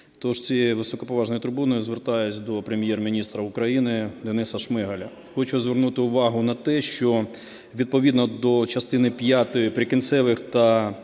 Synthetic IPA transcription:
t̪ɔʒt͡sʲiʋɪsɔkɔpɔʋɑʒnɔjit̪ʊrbunɔjʊzʋert̪ɑjʊt͡sʲd̪ɔpɾemʲjermʲinʲist̪ɾɐʊkɾɐjinɪd̪enɪsɐʃmɪɦɐlʲɐ | xɔt͡ʃʊzʋʲernut̪ɪʊʋɑɦʊnɐt̪ɛʃt͡ʃɔ | ʋʲid̪̚pɔʋʲid̪nɔd̪ɔt͡ʃɐst̪ɪnɪpʲjat̪ɔjʊpɾʲikɪnt̪sɛʋɪxt̪ɐ

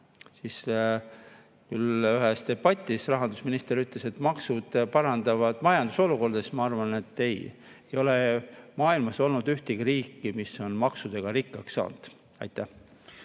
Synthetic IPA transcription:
siːs | kylyɦest̪e̞b̥ɑt̪ʲːˑisrɑɦɑnd̪usminist̪eɾyt̪ːˑle̞se̞t̪ːmɑksud̪̥pɑɾɑnd̪ɑvɑd̪̥mɑjɑnd̪̥uso̞luko̞rd̪̥esmɑɑrvɑne̞t̪ːe̞j | ejo̞lemɑːilmɑso̞lnud̪yht̪iɡ̥iɾiːkːimiso̞nmɑksud̪̥e̞ɡ̥ɑɾikːɑksːɑ̰ːnd̪̥ | ɑ̰jt̪ːˑæh

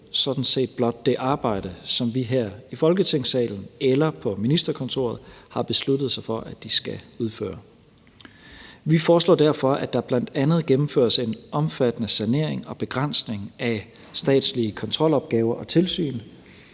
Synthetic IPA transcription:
sɒ̽d̥n̩se̝̰ːd̥̚b̥lɒ̽d̥̚ːe̝ʔɑ̈ːb̥ɑ̈ɪ̰d̥əsɒ̽mʋiɦæɐ̰ifɒ̽lɡ̥ət͡sʰe̝ŋ̰sɛ̰ːln̩elɐpʰɒ̽minisd̥ɐkʰɒ̽nt͡sʰo̝̰ːɐð̞̩ˠhɑ̈b̥e̝slud̥ð̩ˠsɑ̈ɪfɒ̽ʔæd̥isɡ̥æuð̞ˠfø̰ːɐ | ʋifɒːslɔ̰ːd̥æɐfɒ̽ʔæd̥ɑ̈b̥læn̰d̥ænð̞̩ˠɡ̥emm̩fø̰ɐ̰se̝nɒ̽mfæd̥ənəsæne̝ɐ̰e̝ŋɒ̽b̥e̝ɡ̥ʁan̰sne̝ŋæ | sd̥ɛ̰ːd̥sliəkʰɒ̽nt͡sʰʁɒ̽l̰ɒ̽b̥̚ɡ̥ɛːʊɐʔɒ̽t͡sʰe̝lsy̰ːn

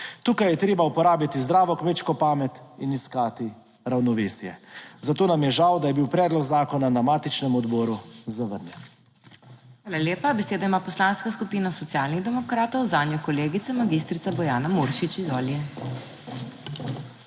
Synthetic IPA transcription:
t̪uːkajɛt̪ɾeːbaupɔɾaːbjat̪izd̪ɾaːʋɔkmeːt͡ʃkɔpaːmɛt̪iniskaːt̪i | ɾawnɔʋeːsjɛ̰zat̪oːnamjɛʒawd̪ajɛbiwpɾɛːd̪lɔɡzaːkɔnanamaːt̪it͡ʃnɛmɔd̪bɔːɾuzaʋəɾnʲjɛn | ʋaːlaleːpabɛseːd̪aimaːpɔslaːnskaskupiːnasɔt̪sijaːlniɣd̪ɛmɔkɾaːt̪ɔwzaːnjɔkɔleːɡit̪sɛmaɡist̪ɾit̪abɔjaːnamuːɾʃit͡ʃizɔːljɛ

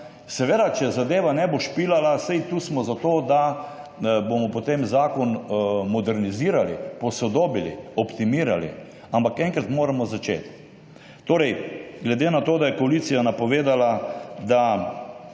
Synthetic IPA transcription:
sɛʋeːd̪at͡ʃɛzad̪eːʋanɛboʃpiːlalasɛjt̪uːsmɔzat̪oːd̪a | bomɔpot̪emzaːkɔnmɔd̪ɛɾniziːɾalipɔsɔd̪oːbilḭɔpt̪imiːɾalḭ | ampakɛŋkɾat̪moːɾamɔzat͡ʃḛːt̪ | t̪oːɾɛjɡlɛd̪enat̪oːd̪ajɛkɔalit̪sijanapɔʋeːd̪alad̪a

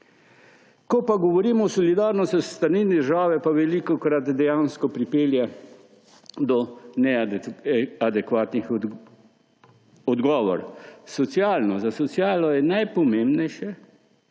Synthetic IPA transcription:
kɔpaɡɔʋɔɾiːmɔwsɔlid̪aɾnɔst̪ɔst̪aɾninid̪əɾʒaːʋɛpaʋɛlikɔkɾat̪d̪ɛjanskɔpɾipeːlja | d̪ɔnɛ | ad̪ɛkʋaːt̪nix | ɔd̪ɡɔːʋɔ̰ɾsɔt̪sijaːlnɔzasɔt̪sjaːlɔjɛnajpɔmembnɛjʃɛ

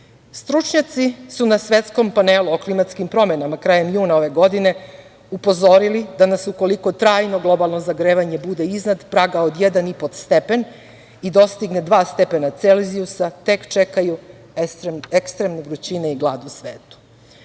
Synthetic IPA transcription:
st̪ɾut͡ʃɲat̪sisunasʋe̞t̪sko̞mpaneluoklimat̪skimpɾo̞me̞namakɾajemjuːnao̞ʋe̞ɡo̞d̪ine̞ | upo̞zo̞ɾilid̪anasuko̞liko̞t̪ɾaːjno̞ɡlˠo̞balˠno̞zaɡɾeːʋaɲe̞bud̪e̞iznad̪pɾaːɡaod̪jed̪anipot̪st̪epe̞n | id̪o̞st̪iɡned̪ʋaːst̪e̞pe̞nat̪selziusat̪e̞kt͡ʃekaju | ekst̪ɾemneɡɾut͡ɕineiɡlˠa̰ːd̪usʋeːt̪u̥

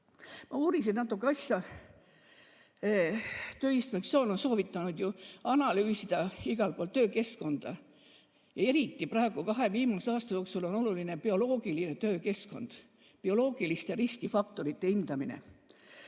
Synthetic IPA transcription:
mɑuːɾisinnɑt̪ːˑukːˑeɑsjɑ | t̪øːist̪ɑmeksoːno̞nso̞ːvit̪ːˑɑnud̪̥juɑnɑlyːsid̪̥ɑiɡ̥ɑlpo̞ːlt̪øːke̞sko̞nd̪̥ɑ | jɑe̞ɾit̪ːˑiprɑeɡ̥ukɑɦe̞viːmɑsɑːst̪ɑjo̞ːksulo̞no̞lulinepio̞lo̞ːɡ̥iline̞t̪ø̞ːke̞sko̞̰nd̪̥ | pio̞lo̞ːɡ̥ilist̪eɾiskifɑk̚t̪o̞ɾit̪ːe̞ind̪̥ɑminḛ

